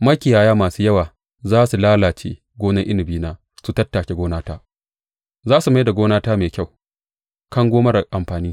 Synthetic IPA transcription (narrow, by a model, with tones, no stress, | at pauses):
mɐ˦kʲɪ˨jaː˨jaː˦maː˨suː˦jɐ˦waː˨ | zaː˦su˨laː˦laː˨t͡ʃḛː˦ | ɡʷoː˦nɐ˦ŋʔɪ˦nɪ˨biː˦naː˦ | su˨tɐ˦tːaː˨kʲe˦ɡʷoː˦naː˦taː˦ | zaː˦su˨ma˦jda˨ɡʷoː˦naː˦taː˦meː˨kʲa˦˨w | kɐ˦ŋɡʷoː˦mɐ˦ɾa˨ʔa˨mɸaː˨niː˦